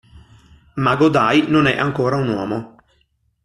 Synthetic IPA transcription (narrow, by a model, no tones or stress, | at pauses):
maɡod̪ajnonɛʔaŋkoːɾaunwɔːmo